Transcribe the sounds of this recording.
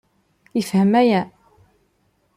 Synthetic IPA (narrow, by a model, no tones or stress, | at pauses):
jəfhəmæjæ